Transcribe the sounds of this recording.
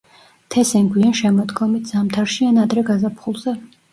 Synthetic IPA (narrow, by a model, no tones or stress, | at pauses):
t̪ʰɛsɛŋɡwianʃɛmɔd̪ɡɔmit̪̚ʰz̥amt̪ʰaɾʃianad̪ɾɛɡazapʰχulˠzɛ